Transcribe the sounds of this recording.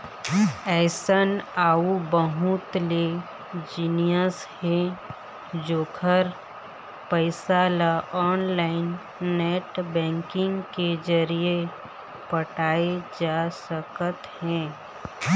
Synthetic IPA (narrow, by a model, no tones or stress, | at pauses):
ɛːsənaːubəɦʊt̪le | d͡ʒiːnijəshɛ̃ | d͡ʒoːkʰəɾ | pəɪsalaʔɔːnlaːɪnː | ɛːʈbɛ̃ːŋkɪ̃ŋɡked͡ʒəɾie | pəʈaːed͡ʒaːsəkət̪hɛ̃ː